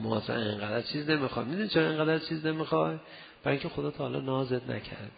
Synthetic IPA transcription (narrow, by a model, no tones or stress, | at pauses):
mɒ̰æsæ̰ḛŋɢæd̪æɾt͡ʃʰiːzne̞mixɒjmid̪unit͡ʃʰoɾɒeŋɡæd̪æɾt͡ʃʰiːznemixɒj | b̥æɾjiŋcʰe̞χod̪ɒːt̪ʰɒːhːlɒ̰nɒːzed̪næ̰cʰæ̰ɾd̪